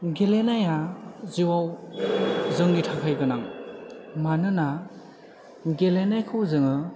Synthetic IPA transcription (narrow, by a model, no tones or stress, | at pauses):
ɡelenajaziwaw | zɯŋɡitʰakʰajɡɯnaŋ | manɯna | ɡelenajkʰɯwzɯŋɯ